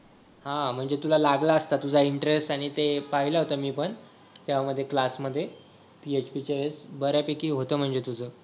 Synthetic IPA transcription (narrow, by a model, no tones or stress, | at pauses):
hãm̤əɳd͡zet̪ulalaɡlaəst̪at̪ud͡zʱaiɳʈɾesʈaɽ̃it̪epaɦiləɦot̪amiːpəɳ | t̪jaʋaməd̪ʱːjeklasməd̪ʱːje | piet͡ɕpit͡ɕeʋet͡sbəɾjapekiːɦot̪əːm̤əɳd͡zet̪ud͡zʱəː